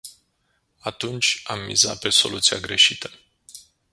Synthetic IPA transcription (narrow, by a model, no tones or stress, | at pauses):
at̪unt͡ʃʲamːḭza̰pe̞so̞̰lut̪siaɡɾe̞ʃit̪ə̥